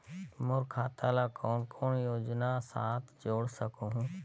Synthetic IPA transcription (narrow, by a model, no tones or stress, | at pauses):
mʊɾkʰaːt̪ʰalakɔːnkʰɔːnjoːd͡ʒnasaːt̪ʰd͡ʒoːɽsəkoɦũː